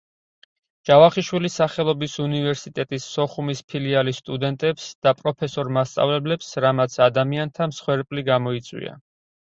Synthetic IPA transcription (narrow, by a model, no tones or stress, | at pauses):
d͡ʒ̥avaχiʃwilisaχɛlˠɔbisunivɛɾsit̪ʼɛt̪ʼisːɔχumispʰilialist̪ʼud̪ɛnt̪ʼɛpsd̪̥apʼɾɔpʰɛsɔɾmast̪sʼa̰vlɛblɛpsɾamat̪sʰad̪amiant̪ʰamsχwɛɾpʼliɡamɔit̪sʼwḭa̰